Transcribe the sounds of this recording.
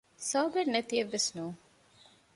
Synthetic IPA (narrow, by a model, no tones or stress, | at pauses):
saːɡeɾnet̪ieʋːesnuː